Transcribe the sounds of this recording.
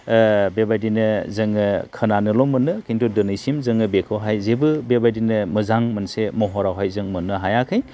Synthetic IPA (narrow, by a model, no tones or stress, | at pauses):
bebajdinɯzɯŋɯkʰɯnanɯlɔmɯnɯkʰintudɯnɯjsimzɯŋɯbekʰɯwɦajzebɯbebajdinɯmɯzaŋmɯnsemɔɦɔɾawɦajzɯŋmɯnːɯɦajakʰɯj